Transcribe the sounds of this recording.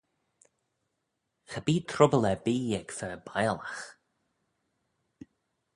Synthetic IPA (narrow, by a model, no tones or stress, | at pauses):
xabiːt̪ʰɾʊbəlɛbiːɛɡfəbajlax